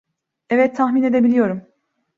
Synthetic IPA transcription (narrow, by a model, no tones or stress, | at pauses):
ɛvɛt̪ʰːaxmiːne̞d̪e̞bilʲijo̞ɾum